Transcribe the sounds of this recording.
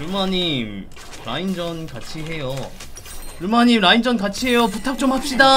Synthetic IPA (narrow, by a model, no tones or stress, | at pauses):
umaɲim | ɾa̰ind͡ʑʌnkat͡ɕʰiɦe̞jo | ɾumaɲimɾaind͡ʑʌnkat͡ɕʰiɦe̞joputʰak̚t͡ɕ͈omhap̚ɕ͈ida